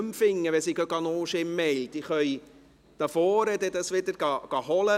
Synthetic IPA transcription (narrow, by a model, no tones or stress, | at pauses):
mfɪŋːəʋɛsiɡøɡɑnoːʃɪmːɛlt̪ɪχœj | d̥ɑfoːɾɛd̪ɛdɑsʋɪdəɾɡɑɡ̥ɑɦɔlə